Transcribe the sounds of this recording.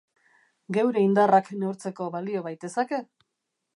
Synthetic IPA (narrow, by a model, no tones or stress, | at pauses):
ɡe̞wɾe̞ind̪arakneuɾt͡se̞ko̞βalio̞βajt̪e̞sake̞